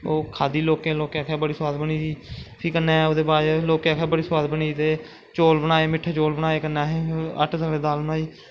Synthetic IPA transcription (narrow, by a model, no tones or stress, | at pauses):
oːkʰaːd̪iːloːkẽːloːkeaːkʰeːbəɽiːswaːd̪bəniːsiːpʰikənːẽːɛːʊd̪eːbaːɾloːkakʰɛːbəɽiːswaːd̪bəniːt̪eː | t͡ʃoːlbənaːeːmɪʈʰːet͡ʃoːlbənaːeːkənːaːɦeə̰ʈʰsaleːd̪aːlbənaːiː